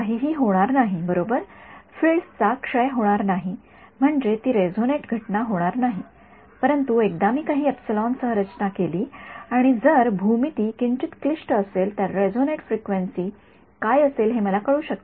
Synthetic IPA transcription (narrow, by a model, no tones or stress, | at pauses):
kaɦiɦiːɦoɽ̃aɾnaɦibəɾobəɾfiɭst͡sakʂəjɦoɽ̃aɾnaɦi | m̤əɳd͡ʑet̪iːɾed͡zoneʈɡʱəʈnaɦoɽ̃aɾnaɦi | pəɾənt̪uek̚d̪amiːkaɦiːepsilɔnsəɦɾət͡ɕnakeliːaɽ̃id͡zəɾbʱumit̪iːkiɲt͡ɕit̪klisʈəselt̪jaɾːed͡zoneʈfɾikʋensiː | kajəselɦeməlakəɭuːɕək̚t̪